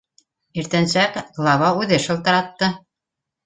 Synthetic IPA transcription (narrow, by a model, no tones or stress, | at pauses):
iɾt̪ænsækɡlˠɑβɑʉðɘʃɤ̆lˠt̪ɤ̆ɾɑt̪ːɤ